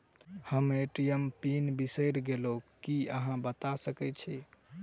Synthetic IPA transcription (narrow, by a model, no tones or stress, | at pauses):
həmeʈijəmpinbisəjɾɡelokiəɦãbət̪asəkɛt͡ʃʰɛ